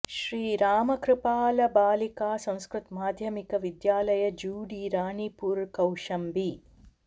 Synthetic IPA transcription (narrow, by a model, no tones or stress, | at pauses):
ʃɾiːɾaːmɐkɾɪpaːlɐbaːlikaːsɐ̃w̃skɾut̪maːd̪ʱjɐmikɐʋid̪jaːlɐjɐd͡ʒuːɽiɾaːɳipuːɾkɐwʂɐmbi